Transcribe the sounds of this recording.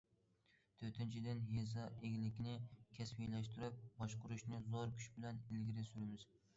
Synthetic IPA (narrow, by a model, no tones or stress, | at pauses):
t̪ʰɵɾt̪ʰɪnt͡ʃʰɪd̪ɪnjezɒʔeɡʲɪlɪkʲnɪkʲʰaswijlæʃt̪ɪɾɪp̚bɒʃqʊɾʊʃnɪzoɾkʲʰʊ̥ʃbɪlanɪlɡʲɪɾɪsʊɾɪmɪz